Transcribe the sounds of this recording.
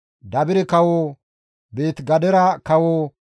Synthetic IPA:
d̪ɐbɪɾɛkɐwoː | be̞ːt̪ɡɐd̪ɛɾɐkɐwoː

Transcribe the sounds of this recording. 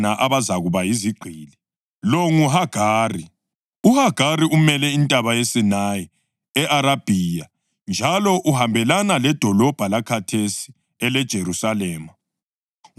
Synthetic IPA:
naʔaβazaɣuβajiziɡ͡ǀʱiːlɛ | lɔŋuɦaɡ̥ʱaːri | uhaɡ̥ʱariumɛlɛintʼaβajesinaji | ɛʔaɾab̥ʱiːja | nd͡ʒʱalɔʔuhambʱɛlanalɛd̥ʱɔlɔb̥ʱalakʰatʰesi̥ | ɛlɛd̥ʒ̥ʱeɾusalɛːma

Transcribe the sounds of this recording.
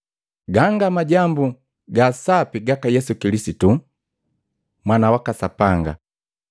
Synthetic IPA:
ɡaŋɡamaɟambu | ɡasapiɡakajɛsukilisitu | mwanawakasapaŋɡa̰

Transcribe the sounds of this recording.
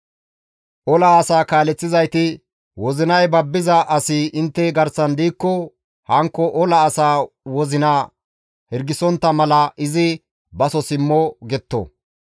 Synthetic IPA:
ʔɔlɐːsaːkaːlɛt͡sːɪzɐjt̪ɪ | wɔzɪnɐjbɐbːɪzɐʔɐsɪɪnt̪ːɛɡɐɾsɐnd̪iːkːɔ | hɐŋkːɔʔɔlɐːsaːwɔzɪnaː | hɛɾɡɪsɔnt̪ːɐmɐlɐʔɪzɪ | bɐsɔsɪmːɔɡɛt̪ːɔ̰

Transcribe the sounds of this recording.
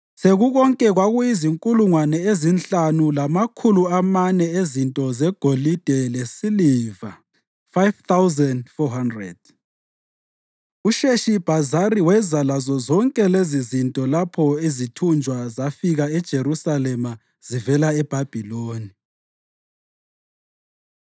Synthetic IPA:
seɣuɣɔŋkʼɛɣwaɣujiziŋkʼuluŋwanɛezinɬanulamakʰuluamanɛezintʼɔzɛɡ̥ʱolid̥ʱɛlesiliːva | fajvt̪ʰawzɛndfɔɦandrɛd̥̚ | uʃeʃib̥ʱazaɾiwɛzalazɔzɔŋkʼɛlezizintʼɔlapʰɔizitʰund͡ʒʱwazafiɣaɛd̥ʒ̥ʱeɾusalɛma | z̥ivɛlaɛb̥ʱab̥ʱiloːni

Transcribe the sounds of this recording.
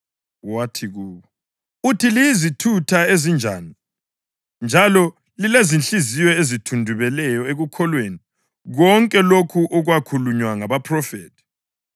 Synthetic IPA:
watʰiɣuːβɔ | utʰilijizitʰutʰaezind͡ʒʱaːni | nd͡ʒʱalɔ | lilezint͡ɬʼizijɛezitʰundʱuβɛlɛjɔeɣukʰɔlweni | ɣɔŋkʼɛlokʰuʔɔɣwakʰuluɲwaŋaβapʰrɔfɛ̰ːtʰi̥

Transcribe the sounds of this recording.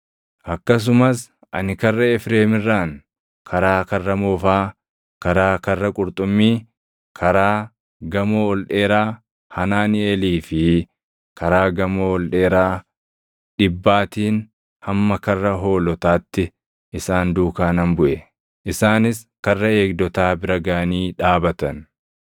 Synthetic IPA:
ʔɐkːɐs̬ʊmɐs | ʔɐ̰nɪkɐrːɐɛfɾeːmɪrːaːn | kʰɐɾaːkɐrːɐmoːfaː | kɐɾaːkɐrːɐkʼʊɾt̪ʼʊmːiː | kʰɐɾaː | ɡɐmoːɔlᶑe̞ːɾaː | hɐnaːnɪeːliːfɪ | kʰɐɾaːɡɐmoːɔlᶑe̞ːɾaː | ᶑɪbːaːt̪iːn | hɐmːɐkɐrːɐɦo̞ːlɔt̪aːt̪ːɪ | ʔɪsaːnd̪uːkaːnɐmbʊʔɛ | ʔɪsaːnɪs | kɐrːɐe̞ːɡ̚d̪ɔt̪aːbɪɾɐɡaːniːᶑaːbɐt̪ɐn

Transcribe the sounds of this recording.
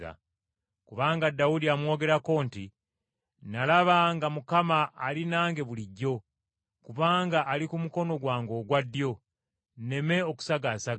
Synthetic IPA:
a̰ | kuβaːŋɡadːaudiamwo̞ːɡe̞ɾako̞ːnti | nalaβaŋɡamukamaːlinaːŋɡe̞βuliɟːo̞ | kuβaːŋɡaʔːlikumuko̞no̞ɡwaːŋɡo̞ːɡwadːjo̞ | ne̞me̞o̞ku̥saɡasa

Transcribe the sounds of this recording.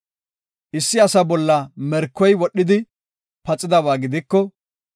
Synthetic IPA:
ʔɪsːɪɐsɐbɔlːɐmɛɾkːɔjwɔɗːɪd̪ɪ | pɐt͡sʼːɪd̪ɐβaːɡɪd̪ɪkːɔ

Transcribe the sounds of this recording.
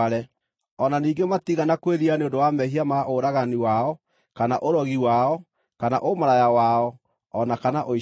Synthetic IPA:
ɾɛ | ɔnaniːŋɡematiɣanakweðianeondowamɛɦiamaʔoɾaɣaniwaɔ | kanaʔoɾɔɣiwaɔ | kana̰ʔomoɾajawaɔ | ɔnakanaʔoi

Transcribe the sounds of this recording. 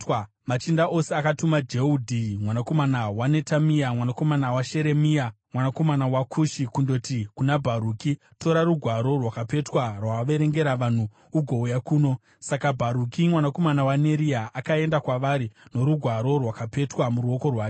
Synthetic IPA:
mat͡ʃindaʔo̞seakatumad͡ʒeudʱimwanako̞manawane̞tamiamwanako̞manawaʃe̞ɾe̞miamwanako̞manawakʰuʃikundo̞tikunabʱaɾuːki | to̞ɾaɾuɡʱwaɾo̞rwakape̞twarwaʋe̞ɾe̞ŋɡe̞ɾaʋan̤uː | ɡʱo̞ujakuːno̞ | sakabʱaɾukimwanako̞manawane̞ɾiaʔakae̞ndakwaʋaɾino̞ɾuɡʱwaɾo̞rwakape̞twamuɾuo̞ko̞rwaːke

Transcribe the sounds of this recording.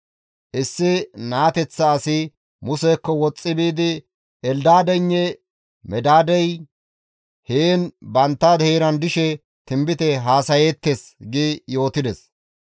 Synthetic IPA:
ʔɪsːɪnaːt̪ɛt͡sːɐːsɪ | mʊsɛkːɔwɔt͡sʼːɪbiːd̪ɪ | ɛld̪aːd̪ɛɲːɛ | mɛd̪aːd̪ɛj | heːnbɐnt̪ːad̪heːɾɐnd̪ɪʃɛ | t̪ɪmbɪt̪ɛɦaːsɐjeːt̪ːesɡɪjo̞ːt̪ɪd̪ɛs

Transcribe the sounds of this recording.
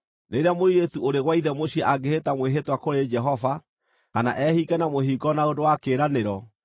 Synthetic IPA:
neɾeamoɾiɾetuoɾeɣwaiðɛmoɕiɛʔaɡehetamweɦetwakoɾed͡ʒɛɦɔva | kana̰ʔɛhikɛnamoɦiɡɔnaodowakeːɾaneɾɔ

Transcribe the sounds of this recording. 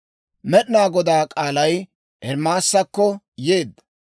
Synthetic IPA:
mɛɗɪnaːɡɔd̪aːkʼaːlɐj | ʔɛɾmaːsːɐkːɔ | je̞ːd̪ːɐ̥

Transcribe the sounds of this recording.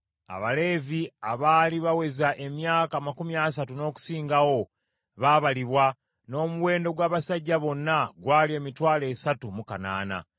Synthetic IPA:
a̰βale̞ːviaβaːliβawe̞zaʔe̞mjaːkamakumias̬atuno̞ːku̥siːŋɡawo̞ | βaːβaliβwa | no̞ːmuwe̞ːndo̞ɡwaːβasaɟːaβo̞nːaɡwaːlie̞ːmitwaːle̞ːsatumukana̰ːna̰

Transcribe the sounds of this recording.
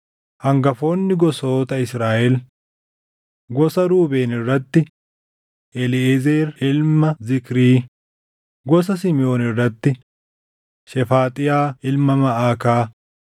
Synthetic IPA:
hɐŋɡɐfo̞ːnːɪɡɔsoːt̪ɐɪsɾaːʔɛl | ɡɔsɐɾuːbeːnɪrːɐt̪ːɪ | ʔɛlɪezeːɾɪlmɐzɪkɪɾiː | ɡɔs̬ɐsɪmɪjo̞ːnɪrːɐt̪ːɪ | ʃɛfaːt̪ʼɪjaːɪlmːɐmɐʔaːkaː

